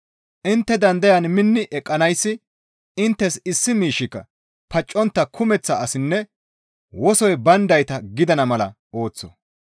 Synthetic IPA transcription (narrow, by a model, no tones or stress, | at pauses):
ʔɪnt̪ːɛd̪ɐnd̪ɐjɐnmɪnːɪʔɛkʼːɐnɐjsːɪ | ɪnt̪ːɛsɪsːɪmiːʃɪkːɐ̰ | pɐt͡ʃʼːɔnt̪ːɐkʰʊmɛt͡sːɐːsɪnːɛ | wɔsɔjbɐnd̪ɐjt̪ɐɡɪd̪ɐnɐmɐlɐ̰ | o̞ːt͡sːɔ̥